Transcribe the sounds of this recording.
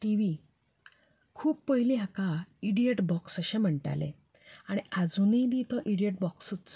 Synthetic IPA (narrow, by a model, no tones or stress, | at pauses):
ʈiʋi | kʰuːppəɦiliːɦakaiɽijeʈbɔksəɕẽm̤əɳʈa̰lḛ | aɽ̃iad͡zunid̪it̪ɔʔiɽieʈ̚bɔksut͡s